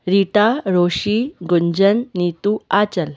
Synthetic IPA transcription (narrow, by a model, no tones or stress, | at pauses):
ɾiʈaɾoɕiɡuɲd͡ʑənːit̪uat͡ɕəl